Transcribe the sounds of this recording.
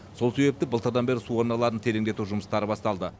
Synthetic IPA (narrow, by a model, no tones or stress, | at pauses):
so̞lˠse̞be̞p̚t̪ɪbəlˠt̪əɾd̪ɑnbe̞ɾɪsuwo̞ɾnɑlˠɑɾənt̪ʰe̞le̞ŋd̪e̞t̪uʒʊməst̪ɑɾəbɑst̪ɑlˠd̪ə